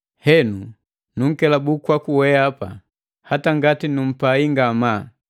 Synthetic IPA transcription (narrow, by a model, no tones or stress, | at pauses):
hɛnu | nuŋ̩kɛlabukwakuwɛapa̰ | hataŋɡatinum̩paiŋɡama